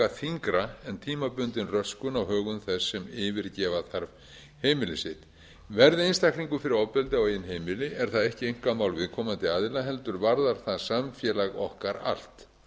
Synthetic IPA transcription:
aθiŋkɾaɛnt̪ʰiːmapʏnt̪ɪnrœskʏnawɦœːɣʏnθɛsːɛmɪːvɪɾcɛːvaθaɾv | heːjmɪlɪsɪt̪ | vɛɾðɪejnst̪ahkniŋkʏfɪɾɪɾɔwpɛlt̪ɪawejɪnɦeːjmɪlɪʔɛɾ̥θaðɛhcɪejŋ̥kamaːwlvɪðkʰɔːmant̪ɪaːðɪlaɦɛlt̪ʏɾvaɾðaɾ̥θaðsamfjɛlaɣɔhkaɾa̰l̥t̪

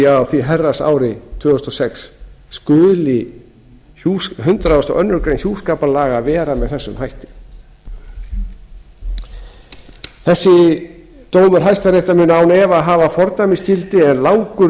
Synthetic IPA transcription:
aawθviɦɛrːasa̰ːwɾɪt̪ʰvʏːʏst̪ɔsɛksːkʏːlɪ | uɦʏnt̪ɾawɛst̪ɔ̰ʔœnːʏɾkɾejnçjuːskaːpalaːɣavɛːɾamɛðθɛsːʏmhajht̪ɪ̥ | θɛsːɪ | t̪oːwmʏɾ̥ɦajst̪aɾejht̪amʏnaːwnɛvaɦaːvafɔɾt̪ajmɪst̪ilt̪ɪɛnlawŋkʏɾ

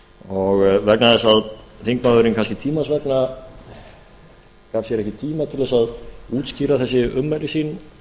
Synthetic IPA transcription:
ɔɣvɛknaðɛsaðθiŋkmaðʏɾɪnkʰanscɪt̪ʰiːmasvɛkna | kav̥sjɛɾɛhcɪt̪ʰiːmat̪ʰɪlvɛsaðuːt̪sciːɾaθɛsːɪʏmːɛlɪsiːn

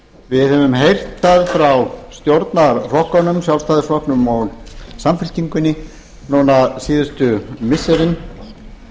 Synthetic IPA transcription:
vɪðhɛvʏmɦejr̥t̪θaðfɾawst̪jowɾt̪naɾr̥ɔhkɔnʏmsjawlst̪aːðɪsrɔhknʏmɔɣsamfɪl̥ciŋkʏnːɪ | nonasiːðʏst̪ʏmɪsːɛɾɪn

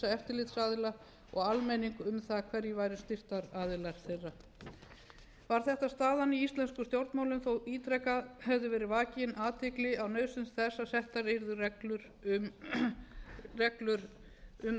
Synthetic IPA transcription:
aɛft̪ɪɾlɪt̪saːðɪla | ɔɣalmɛniŋkʏʏmθakʰvɛɾjɛvaːjɾɪst̪ɪr̥t̪aɾaːðɪlaɾ̥θejrːa | vaɾ̥θɛht̪ast̪aːðaniist̪lɛnskʏst̪jowɾt̪maːwlʏmθowiːt̪ʰɾɛkaðhɛvðʏvɛːɾɪvaːcɪjɪnʔaːt̪ʰɪklɪawnœːɥsʏnsθɛsːasɛht̪aɾejɾðʏrɛklʏɾ | rɛklʏɾ | ʏm

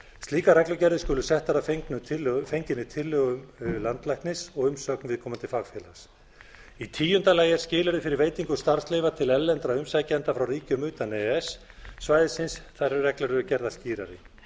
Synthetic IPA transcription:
st̪liːkaɾɛklʏcɛɾðɪskʏːlʏsɛht̪aɾafeŋknʏfejɲcɪnːɪt̪ʰɪlːʏɣʏmlant̪lajhknɪsɔɣʏmsœknvɪðkʰɔːmant̪ʰɪlfaɣfjɛːla̰s | it̪ʰiːjʏnt̪alaːjɛɾscɪːlaɾðɪfɪɾɪɾveːjt̪iŋkʏ̥st̪aɾ̥sleːvat̪ʰɪlɛlːɛnt̪ɾaʏmsacɛnt̪afɾawriːcʏmʏːt̪anɛɛsː | vajðɪsɪnsθaɾʏrɛklaɾʏʏcɛɾðasciːɾaɾɪ

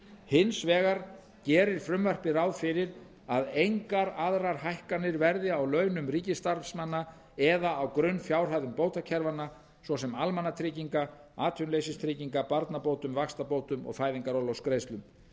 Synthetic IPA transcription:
hɪnsvɛːɣaɾ | cɛːɾɪɾ̥fɾʏmvœr̥pɪɾawfɪɾɪɾ | aðejŋkaɾaðɾaɾ̥ɦajhkanːɪɾvɛɾðɪawlœːɥnʏmɾiːcɪst̪aɾfsmanːa | ɛðaawkɾʏnːfjaːwr̥ajðʏmpoːwt̪acʰɛɾvanːa | svɔsɛmalmanːat̪ʰɾɪciŋka | aːt̪ʰʏnleːjsɪst̪ʰɾɪːciŋkapaɾt̪napoːwt̪ʏmvakst̪apoːwt̪ʏmɔ̰ɣfaːjðiŋkaɾɔlɔwskɾejst̪lʏm

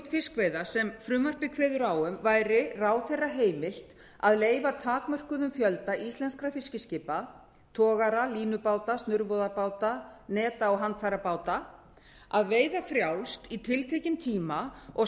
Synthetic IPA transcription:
t̪fɪskveːjðasɛmfɾʏːmar̥pɪkʰvɛːðʏɾawʏmvajɾɪraːwθerːaɦeːjmɪl̥t̪ | aðleːjvat̪ʰaːkmœr̥kʏðʏmfjœlt̪aʔist̪lɛnskɾafɪscɪscɪːpa | t̪ʰɔːɣaɾaliːnʏpaːwt̪ast̪nʏɾvɔðapaːwt̪anɛːt̪aɔɦant̪faɾapaːwt̪a | aðveːjðafɾjawlst̪it̪ʰɪlt̪ʰejcɪnt̪ʰiːmaɔɣ

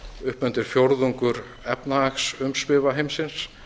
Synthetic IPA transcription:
ʏhpʏnt̪ɪɾ̥fjowɾðuŋkʏɾ | ɛpnaaksʏmsvɪːvaɦejmsɪns

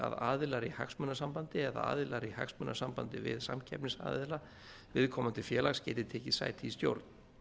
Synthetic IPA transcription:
a̰ða̰ːðɪlaɾiha̰ksmʏnːasampant̪ɪɛða̰a̰ːðɪlaɾiha̰ksmʏnːasampant̪ɪvɪ̰ðsa̰mcʰɛpnɪsa̰ːðɪla | vɪðkʰɔːmant̪ʰɪ̥fjɛːlaxscɛːjt̪ɪt̪ʰɛːcɪsa̰ːjt̪ʰist̪jo̰wɾt̪n

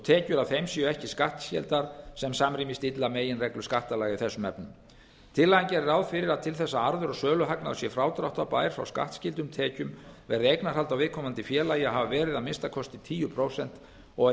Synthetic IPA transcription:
ɔt̪ʰɛːcʏɾawθejmsjœɛhcɪskaht̪scɛ̰lt̪aɾ̥sɛmsamɾiːmɪst̪ɪt̪lameːjɪnrɛklʏ̥skaht̪alaːɣiθɛsːʏmɛpnʏm | t̪ʰɪlːaɲcɛɾɾawðfɪɾɪɾaðt̪ʰɪlθɛsːaaɾðʏɾɔsœːlʏɦaknaðʏsjɛfɾaːwt̪ɾawht̪awpa̰ːjɾ̥fɾa̰wska̰ht̪scɪlt̪̬ʏmt̪ʰɛːcʏmvɛɾðejknaɾ̥ɦalt̪awvɪðkʰɔmant̪ɪfjɛːlaːjɪaɦavavɛːɾɪðamɪnst̪akʰɔst̪ɪt̪ʰiːjʏpʰɾowsɛn̥t̪ | ɔ

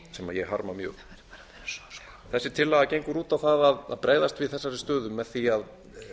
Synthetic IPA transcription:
sɛmaðjɛɣɦa̰ɾmamjœ̰ːɣ | θɛsːɪ̥t̪ʰɪlːaɣacejŋkʏɾuːt̪awθaðaða̰ðpɾeːjðast̪vɪðθɛsːaɾɪst̪œːðʏmːɛðθiað

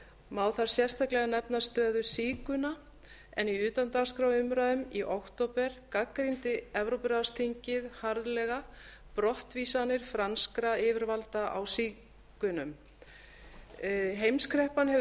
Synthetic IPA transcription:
maːwθaɾ̥sjɛst̪ʰaklɛɣanɛpnast̪œːðʏsiːkʏna | ɛ̰niʏːt̪ant̪askɾawʏmɾaːðʏmiʔawkt̪opɛɾ̥kakɾint̪ɪɛvɾowpɪɾast̪ʰiɲcɪðhaɾðlɛɣa | pɾɔht̪viːsanɪɾ̥fɾanskɾaɪːvɪɾvalt̪aʔa̰wsiː | kʏnʏm | ɦejmskʰɾɛhpanhɦɛv

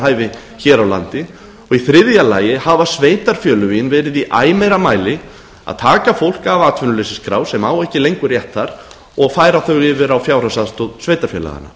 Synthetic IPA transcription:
ɦaːjvɪ | çɛːɾawla̰nt̪ɪ | ɔɣiθɾɪðjala̰ːjɪhavasveːjt̪aɾ̥fjœːlʏviɪnvɛːɾɪðiʔaːjmɛɾamaːjlɪ | a̰ðt̪ʰaːkafowl̥kaːvaːt̪ʰvʏnʏlesɪskɾa̰ːwsɛmaːwɛhcɪlejŋkʏrjɛht̪θaɾ̥ | ɔɣfajɾaθœɣɪːvɪɾawfjaːwɾasaðst̪ɔðsveːjt̪aɾfjœ̰ːla̰ɣa̰na̰

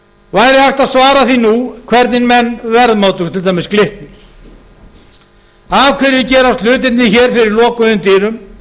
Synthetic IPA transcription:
vanɛɾɪhajht̪aðsvaːɾaθinukʰvɛɾt̪nɪnmɛnːvɛɾðmaːwt̪ʏɣt̪ʰɪlt̪ʰajmɪsklɪht̪nɪ | avkʰvɛɾvɪcɛːɾast̪lʏːt̪̬ɪt̪nɪçɛːɾ̥fɪɾɪɾlɔːkʏðʏmt̪ɪːɾʏm

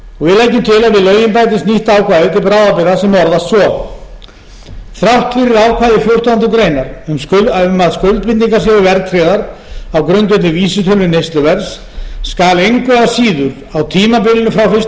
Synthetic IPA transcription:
ɔvɪlaːjcɪmt̪ʰɪlaðvɪðlœɥjɪnpajt̪̬ɪst̪niht̪aːwkʰvaðʏt̪ɪpɾaːwðapɪɾasɛmɔɾðast̪svɔ | θɾawht̪fɪɾɪɾaːwkʰvaːðɪfjowr̥t̪ant̪ʏk̪ɾeːjnaɾʏmmaðskœlt̪̚pɪt̪niŋkasjɛvʏvɛɾt̪ʰɾɛðaɾ | awkɾʏnt̪ɛt̪nɪviːsɪt̪ʰœlnʏnejst̪lʏvɛɾsː | kaːlejŋkvɛðasiːðʏɾ | awt̪ʰiːmapɪlɪnʏfɾawfɪs

